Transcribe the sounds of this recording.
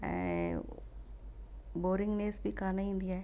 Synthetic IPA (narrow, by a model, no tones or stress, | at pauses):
boːɾɪŋɡneːsbikaːnaĩːnd̪ijaɛ